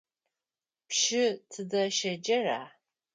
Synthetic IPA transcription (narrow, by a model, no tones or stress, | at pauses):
pʃɪtʰɨdɐʃɐd͡ʒɐra̰ː